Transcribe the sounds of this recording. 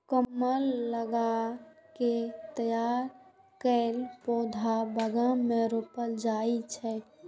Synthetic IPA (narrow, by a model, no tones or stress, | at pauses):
kəmːəlːəɡa | ket̪əjaɾ | kəlpod̪ʱabəɡameɾopəld͡ʒait͡ʃʰɛ